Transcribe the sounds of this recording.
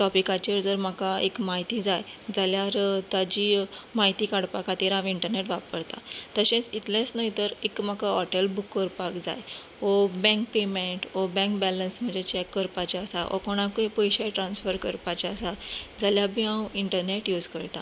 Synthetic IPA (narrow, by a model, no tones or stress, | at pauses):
ʈɔpikat͡ɕəɾd͡zəɾmakaekmaɦit̪id͡zajd͡zaljaɾt̪ad͡ʑimaɦit̪ikaɽpakat̪iɾãʋiɳʈəɾneʈʋapəɾt̪a̰t̪əɕẽt͡sit̪lẽt͡snaɦit̪əɾekmakaɔʈəlbukːəɾpakd͡za̰j | ɔbɛ̃ŋk̚pemeɳʈɔbɛ̃ŋkbɛlənsm̤əd͡ʑet͡ɕɛkːəɾpat͡ɕaəsaʔɔ̰koɽ̃akəpɔjɕaʈɾãnsfəɾkəɾpat͡ɕaəsad͡zaljabʱiãwiɳʈəɾneʈjud͡zkəɾt̪a